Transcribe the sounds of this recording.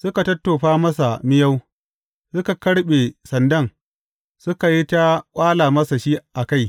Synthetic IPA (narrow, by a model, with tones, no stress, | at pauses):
sʊ˦ka˨tɐ˦tːoː˨ɸaː˦mɐ˦sa˨mɪ˦ja˦w | sʊ˦ka˨kɐ˦ɽɓe˨sɐ˨ndɐ˦˨ŋ | sʊ˦ka˨ji˦ta˦kʷʼaː˦laː˨mɐ˦sa˨ʃi˦ʔa˨ka˦˨j